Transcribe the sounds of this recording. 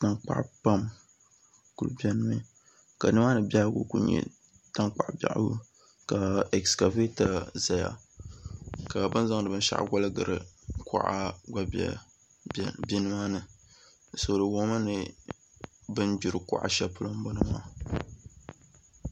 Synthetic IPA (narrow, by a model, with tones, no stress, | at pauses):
ta˨ŋk͡pa̰˦ʔpa˦m | ku˨lbɛ˦nɨ˦mɨ˦ | ka˨nɨ˦maː˦nɨ˨bʲa˦ɡṵ˦kṵ˨ɲɛ̰˦˨ | ta˦ŋk͡pa̰˨ʔba̰˨ʔɡṵ˦ | ka˨ɛ˨kska˨ve˦ta˨za˨ja̰˨ | ka˨bɨ˦nza˦ŋ˨dɨ˨bɨ˦n˦ʃa̰˦ʔɡʷa˦lɨ˦ɡɨ˨ɾɨ̰˨kʰa̰˦˨ʔa˦ɡa˦a̰˨ | bi˦nɨ˦ma˦nɨ˨ | so˨dɨ˨wo˦ma˦nɨ˦ | bɨ˦nd͡ʒu˨ɾɨ˨ka̰˨ʔa̰˨ʃɛ˦˨pʊ˦lo˦m˦bo˦nɨ˦ma˦